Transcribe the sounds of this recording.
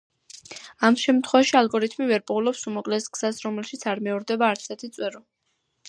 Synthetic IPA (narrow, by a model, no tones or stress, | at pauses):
amʃɛmt̪ʰχwɛvaʃialɡɔɾit̪ʰmivɛɾpʼulɔpsumɔkʼlɛsɡz̥asɾɔmɛlʃit̪sʰaɾmɛɔɾd̪ɛbaːɾt̪sʰɛɾt̪ʰit̪sʼwɛɾɔ